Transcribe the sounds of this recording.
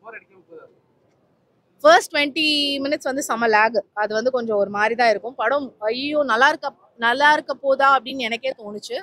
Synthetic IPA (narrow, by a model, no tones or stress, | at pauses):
fɐɾsʈʈʋɛɳʈimɪnɪʈsʋɐnd̪ɯsɐmɐlaːɡɯɐðɯʋɐnd̪ɯkɔɲd͡ʒõɔɾɯmaːd̪ɾit̪ãːɪɾɯkːʊ̃mpɐɽɯmɐjjoːnɐlːaːɪɾɯkːɐ | nɐlːaːɪɾɯkːɐpːoːðaːɐpːɐɽɪnːɛnɐkːeːt̪oːnɯt͡ʃːɯ